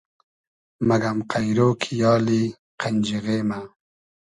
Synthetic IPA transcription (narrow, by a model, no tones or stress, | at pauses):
maɡamqajɾoːkʰijɑːli | qʰand͡ʒiɣeːma